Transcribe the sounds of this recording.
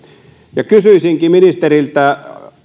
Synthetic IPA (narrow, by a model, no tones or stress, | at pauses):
jɑkysyisiŋkiminist̪erilt̪æ